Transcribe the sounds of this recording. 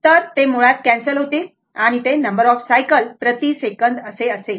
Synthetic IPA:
t̪əɾt̪emuɭat̪̚kæ̃nsəlɦot̪i | aɽ̃it̪enəmbəɾɔfsajkəlpɾət̪isekənd̪əseəse

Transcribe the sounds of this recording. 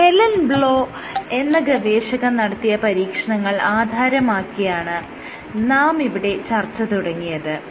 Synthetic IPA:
he̞lɐnbɭo̞ː | e̞nːɐɡɐʋeːɕɐɣɐmnɐɽɐt̪ːijɐpɐɾiːkʂɐɳɐŋːɐɭaːd̪ʱaːɾɐmaːkːijaːɳɨ | naːmiʋiɽe̞t͡ɕɐrt͡ɕːɐt̪uɽɐŋːijɐðɨ

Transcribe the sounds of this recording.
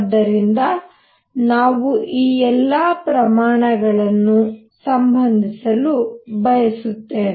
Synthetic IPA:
d̪ːɐɾind̪ɐ | naːʋuʔiːɛlːɐpɾɐmaːɳɐɡɐɭɐnːu | sɐmbʱɐnd̪ʱisɐlubɐjɐsut̪ːe̞ːn

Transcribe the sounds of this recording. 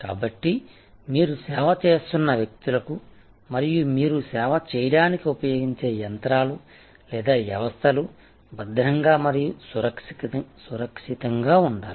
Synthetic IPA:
ka̰ːbɐʈːi | miːɾusɛːʋɐt͡ʃe̞ːst̪unːɐʋjɐk̚t̪ulɐku | mɐɾijumiːɾusɛːʋɐt͡ʃɛːjɐɽaːnikiupɐjo̞ːɡiɲt͡ʃe̞ːjɐnt̪ɾaːlu | lɛːd̪aːʋjɐʋɐst̪ʰɐlu | bɐd̪ʱɾɐŋɡaːmɐɾijusuɾɐkʂsuɾɐkʂit̪ɐŋɡaːuɳɖaːli

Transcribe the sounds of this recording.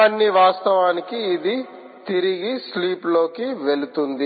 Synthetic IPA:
ɐnːiʋaːst̪ɐʋaːnikiːd̪i | t̪iɾiɡisliːplo̞ːkiʋe̞lut̪und̪i

